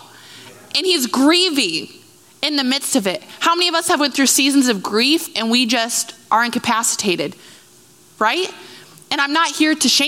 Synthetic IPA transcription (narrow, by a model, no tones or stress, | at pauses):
ɨ̃nizɡɹivi | ɨ̃nðɨmɪd̥stʌvɪt̚haʊmɛ̃niʌvʌshɨvwɨ̃nθɹʉsizn̩zʌvɡɹifʔɨ̃nwid͡ʒʌstʔə˞ɨ̃nkɨpʰæsɨ̥tʰeɪɾɨd̥ | ɹaɪt̚ | ɨ̃ɾ̃ãɪ̃mnət̚hiɹɾɨʃẽ